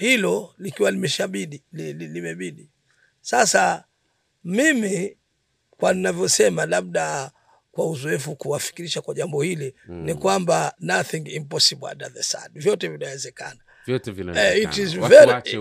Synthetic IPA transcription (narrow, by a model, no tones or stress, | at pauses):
hilɔlikiwalimɛʃaɓiɗilililimɛɓiɗi | sasa | mimi | kwaninavjɔsɛmalaɓ̚ɗa | kwauzɔɛfukuwafi̥kiɾiʃakwaʄambɔhilinikwambanaθiŋimpɔsiba̰daðɛsa̰dvjɔtɛvinawɛzɛkana | ɛintizvɛ